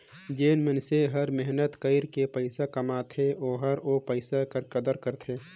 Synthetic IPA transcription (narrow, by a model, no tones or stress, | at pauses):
d͡ʒeːnmənseɦəɾmɛɦnət̪kəɪɾkepəɪsakɐmaːt̪ʰeoːɦɐɾopəɪsakəɾkəd̪əɾkəɾt̪ʰeː